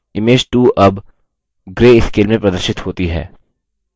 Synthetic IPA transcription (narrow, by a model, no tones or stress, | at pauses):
ɪmeːd͡ʒʈuːʔɐb | ɡɾeːɪskeːlmẽpɾɐd̪əɾʃɪt̪hoːt̪iɦɛ̰ː